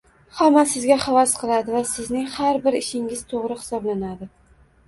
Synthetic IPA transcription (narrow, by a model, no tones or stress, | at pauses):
hamːasɪzɡʲaχavasqʰɨlˠad̪ɪvasɪznɪŋhaɾbɪɾɪʃɪŋɪz̥t̪ʰoʁɾɪhɪ̥sɒblanad̪ɪ